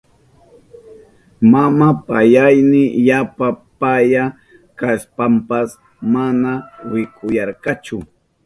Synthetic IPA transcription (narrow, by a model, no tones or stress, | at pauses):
mamapajajnɪjapapaja | kaspampas | manawɪkʰʼʊjɑɾkat͡ʃʊ